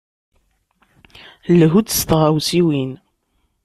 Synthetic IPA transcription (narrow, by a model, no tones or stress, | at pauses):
lɦud̪st̪ʁawsiwin